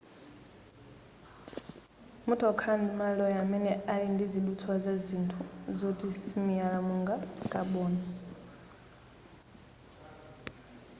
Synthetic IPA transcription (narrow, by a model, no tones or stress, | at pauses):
mutʰɔkʰandimalɔjamɛnɛalindiziɗut͡sʰɔazazintʰuzɔtʼisimiaɺamuŋɡakʼaɓɔːna